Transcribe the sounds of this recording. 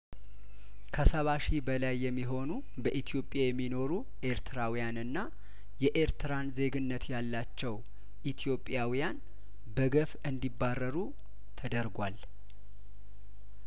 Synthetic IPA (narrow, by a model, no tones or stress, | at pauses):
kʰəsəβaʃibəlajːɛmːiɦo̞nu | bəʔit̪ʰijo̞pʼːjajɛmːino̞ɾu | ʔe̞ɾt̪ʰɨɾawijanɨnːa | jɛʔeɾt̪ʰɨɾanze̞ɡɨnːət̪jalːat͡ʃːɛw | ʔit̪ʰijo̞pʼːjawijan | bəɡəfɨnd̪ibːarːəɾu | t̪ʰəd̪əɾɡʷwal